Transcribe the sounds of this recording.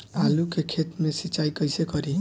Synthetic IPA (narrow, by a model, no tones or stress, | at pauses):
alukekʰet̪mesit͡ʃajkʌjsekʌɾi